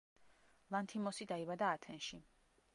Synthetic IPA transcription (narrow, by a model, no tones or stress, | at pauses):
lˠant̪ʰimɔsid̪aibad̪aːt̪ʰɛnʃi